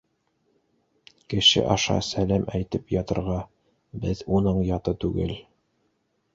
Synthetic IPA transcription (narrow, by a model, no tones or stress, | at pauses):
kɘ̆ʃɘ̰ʔɑʃɑ̰sælæmʔæjt̪ɘpjɑt̪ɤ̆ɾʁɑ | bɘðunɤɴjɑt̪ɤt̪ʉɡɘ̰l